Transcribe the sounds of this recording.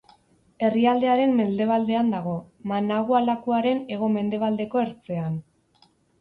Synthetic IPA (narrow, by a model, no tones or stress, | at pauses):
e̞riald̪e̞aɾe̞mːe̞ld̪e̞β̞ald̪e̞and̪aɣ̞o̞manaɣualakuaɾe̞ne̞ɣ̞o̞me̞nd̪e̞β̞ald̪e̞ko̞e̞ɾt͡se̞an